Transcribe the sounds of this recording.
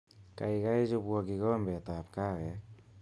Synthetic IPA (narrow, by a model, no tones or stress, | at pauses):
kajɡajd͡ʒubuaɡiɡombetap̚kaɾek̚